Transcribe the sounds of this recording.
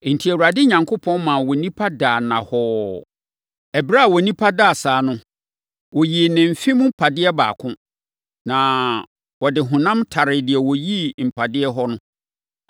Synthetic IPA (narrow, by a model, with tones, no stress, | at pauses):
n̩˨tʰi˨æ˨wu˨ɾa˨dɪ˦ɲã˨ŋkʰo˦pʰɔ̃˦nmã˨wɔ˨nĩ˦pʰa˦daː˨nã˨hɔː˦ | ɛ˨bi˦ɾa˦a˨wɔ˨nĩ˦pʰa˦da˦˨saː˨˦nʊ̃˦ | wɔ˨ji˨nɪ̃˨m̩˨fĩ˦m̃˦m̩˦pʰa˨dɪ˦ɛ˦ba̰ː˨kʰʊ̃˦ | nã˨ | wɔ˨dɪ˨ɦʊ̃˨nã˦mtʰa˨ɾɪ˨dɪ˨ɛ˨wɔ˨ji˦m̩˨pʰa˨dɪ˦ɛ˦ɦɔ˦nʊ̃˦